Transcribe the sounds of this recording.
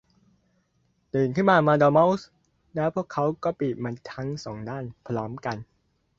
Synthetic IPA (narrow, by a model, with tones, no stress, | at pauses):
t̪ɯː˨˩nkʰɯ˥˩nmaː˧maː˧dɔː˧ma˦˥wu˥s | nɛː˦˥wpʰu˥˩kʰːa˦˥wkɔː˥˩piː˨˩t̪̚maː˧nt̪ʰa˦˥ŋsɔː˩˦ŋdaː˥˩npʰɾɔː˦˥mka˧n